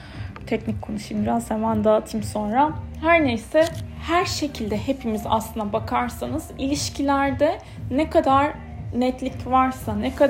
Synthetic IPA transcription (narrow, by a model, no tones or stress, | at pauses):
t̪ʰɛcnicʲkʰonuʃimbiɾazhemænd̪aːt̪ʰimso̞nɾahæɾnejsɛhæɾʃe̞cʰilʲd̪ɛhepʰimiza̰slˠɯnd̪abakʰaɾsanɯz̥ilʲiʃcʰilʲæɾd̪ɛ | nɛkʰad̪aɾ | nɛt̪lʲicvaɾsanɛkʰa